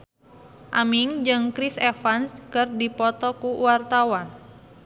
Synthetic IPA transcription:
ʔamiŋd͡ʒɨŋkɾisefanskɨrdipɔt̪ɔkuuwart̪awan

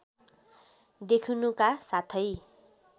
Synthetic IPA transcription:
d̪ekʰunukasat̪ʰʌj

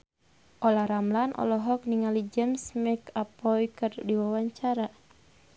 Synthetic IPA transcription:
ʔɔlaɾamlanʔɔ̰lɔɦɔk̚niŋalid͡ʒəmsmɛkapɔjkərdiwawaɲt͡ʃaɾa

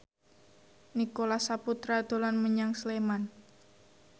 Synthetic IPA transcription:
nikolasaput̪ɾad̪̥o̤lanməɲaŋsleman

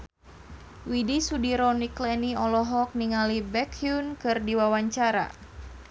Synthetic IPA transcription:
widisudiɾɔniklɛniɔlɔɦɔk̚niŋalibɛkʰjunkɨrdiwawaɲt͡ʃaɾa̰

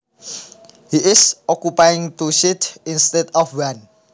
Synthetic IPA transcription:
hiʔisɔkjupajĩŋt̪uʃitĩnstɛdɔfwãn

